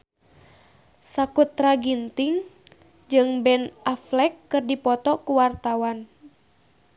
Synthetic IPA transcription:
sakut̪ːɾaɡint̪iŋ | d͡ʒɨŋbɛnaflɛkːɨrdipɔt̪ɔkuwart̪awan

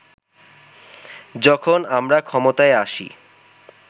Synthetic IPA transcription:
d͡ʑɔkʰonamɾakʰɔmot̪aeaʃḭ

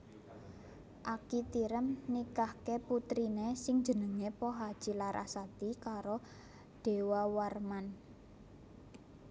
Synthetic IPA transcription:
ʔakit̪iɾəmnikahkeput̪ɾinesɪŋ̥d͡ʒə̤nəŋepɔɦad̥ʒ̥i̤laɾʔa̰sat̪ikaɾo | ɖ̪̥e̤wawarman

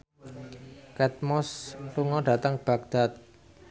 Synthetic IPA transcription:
kɛt̪̚mɔsluŋɔɖ̥a̤t̪aŋb̥a̤ɡ̚d̪̥a̤t̪̚

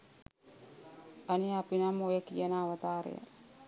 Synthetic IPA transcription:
ɐniapinamojəkijənaːʋət̪aːɾḛjə̰

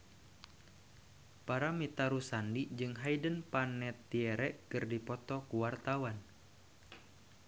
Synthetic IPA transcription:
paɾamit̪aɾusandid͡ʒɨŋɦajdənpanɛt̪ːiɛɾɛʔkɨrdipɔt̪ɔkuwart̪awan

